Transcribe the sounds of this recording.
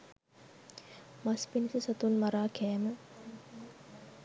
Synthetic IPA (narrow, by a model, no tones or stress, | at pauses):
maspinisəsɐt̪unmaɾaːkæːmə